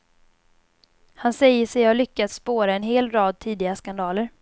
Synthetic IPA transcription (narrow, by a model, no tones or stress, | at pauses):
hansɛjəʂɛjhaɭʏkːat̪spoːɾaɛnɦeːlɾɑːd̪̚t̪ʰiːd̪ɪɡaskand̪ɑːləɾ